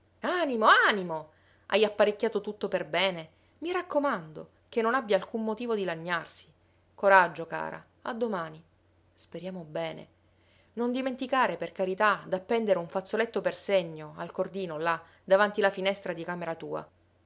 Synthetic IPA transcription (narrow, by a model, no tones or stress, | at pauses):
animoanimo | ʔa̰japːaɾekʲːaːt̪ot̪ut̪ːoperbɛːne | mirakːomand̪o̰ | k̟enːonabjaːlkumːot̪iːvod̪ilaɲːarsi̥ | koɾad͡ʒːoka̰ːɾa̰ | a̰d̪ːomaːni | speɾjaːmobɛːnḛ | nond̪iment̪ikaːɾeperkaɾit̪ad̪apːɛnd̪eɾeuɱfat̪sːolet̪ːoperseɲːoalkord̪iːnola | d̪avant̪ilafinɛst̪ɾad̪ikaːmeɾat̪ṵːa̰